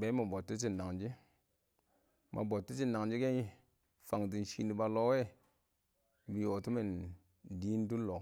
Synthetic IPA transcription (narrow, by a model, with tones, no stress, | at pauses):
be˨˦ma˨bo˨tːu˦t͡ʃi˦nːa˨ŋd͡ʒi˦ | mʔa̰˨bo˨tːu˦t͡ʃi˦na˨ŋd͡ʒi˦ke˦ | fa˨ŋdi˨nʃi˨ni˨ba˧lo˦we˦ | bi˨jo˨tu˦me˨n | di˦n˦du˦lːo˨